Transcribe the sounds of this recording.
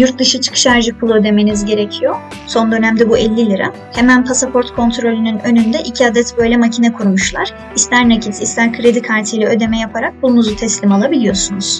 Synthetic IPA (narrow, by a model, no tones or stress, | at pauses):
juɾt̪̚d̪ɯʃɯt͡ʃʰɯ̥kʰɯ̥ʃaɾʒɯk̚pʰulˠø̞d̪e̞me̞nizɟe̞ɾecʰijo̞ | so̞nd̪ø̞næmd̪ɛbuʔɛlʲːilʲiɾa̰ | hemænpʰasapʰo̞ɾt̪kʰo̞nt̪ʰɾo̞lʲynynø̞nynd̪ɛʔicʰiad̪ɛt̪bø̞jlʲɛmacʰinɛkʰuɾmuʃlˠaɾ̥ | ist̪ʲæɾnacʰisist̪ʲæɾkʰɯɾe̞d̪ikʰaɾt̪ʰɯjlʲɛød̪e̞mɛjapʰaɾak̚buunuzut̪ʰɛslʲimalˠabilʲijo̞sunuz̥